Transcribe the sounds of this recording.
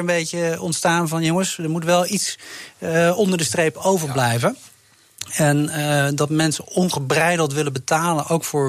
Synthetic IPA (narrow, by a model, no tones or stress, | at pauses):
əmbejcəɔntstaːnvɑnjoŋəsdəɹmutʋɛlˠits | ɔndəɹdəstrejpowvəɹblɛjvən | ɛndɑtmɛnsəɔnχəbrɛjdəl̩ˠtʋɪləbətaːlənʔowkfʊːɹ